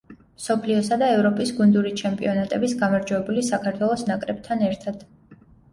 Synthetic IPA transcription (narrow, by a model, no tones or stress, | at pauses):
msɔpʰliɔsad̪aɛvɾɔpʼisɡund̪uɾit͡ʃʰɛmpʼḭɔnat̪ʼɛbisɡamaɾd͡ʒwɛɛbulisakʰaɾt̪ʰwɛlˠɔsnakʼɾɛb̚t̪ʰanɛɾt̪ʰad̪̥